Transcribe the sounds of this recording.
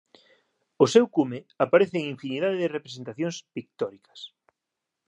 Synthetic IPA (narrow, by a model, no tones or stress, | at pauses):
ʊsewkumeapaɾeθɪːŋĩɱfiniðaðeðɪrepɾes̬ent̪aθjõŋspik̚t̪ɔɾikɐ̥s